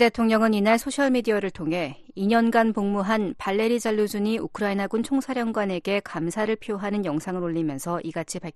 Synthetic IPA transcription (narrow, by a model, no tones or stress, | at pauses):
detʰoŋɲʌŋɯninaɭsʰoɕʰjʌɭmidiaɾɯɭtʰoŋɦe̞ | iɲʌnɡanpoŋmuɦanpaɭːe̞ɾid͡ʑaɭːud͡ʑuɲiʔukʰɯɾainaɡunt͡ɕʰoŋsʰaɾjʌŋɡwane̞ɡe̞kamsʰaɾɯɭpʰijoɦanɯnjʌŋsʰaŋɯɾoʎːimjʌnsʰʌʔiɡat͡ɕʰipaɭkʰ